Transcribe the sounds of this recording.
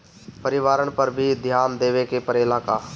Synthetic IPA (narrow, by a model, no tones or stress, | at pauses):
pəɾɪʋaːɾəɳ̃pəɾbʱid̪ʱjaːnd̪eːʋekepəɾɪlaːkaː